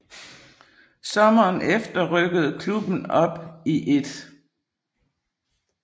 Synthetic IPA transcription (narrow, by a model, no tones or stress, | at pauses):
sɒ̽mɐːnefd̥ɐʁœɡ̥əð̞̩ˠkʰlub̥n̩ɒ̽b̥iʔe̝d̥